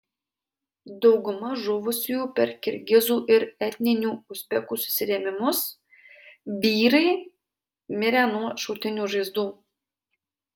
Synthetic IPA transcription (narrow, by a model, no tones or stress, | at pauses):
d̪ɒʊɡʊmɐʒʊʋʊsʲujuːpʲɛɾkʲɪɾʲɡʲɪzuːʔɪɾɛt̪ʲnʲɪnʲuːʊsʲpʲɛkuːsʊ̥sʲɪɾʲɛmʲɪmʊs | bʲiːɾɐɪ | mʲɪɾʲæːnuɔʃɔʊt̪ʲɪnʲuːʒɐɪzd̪uː